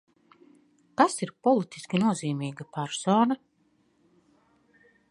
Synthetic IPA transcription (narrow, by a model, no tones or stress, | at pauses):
kasiɾpɔlit̪i̥skʲinuɔziːmiːɡapaɾsɔːna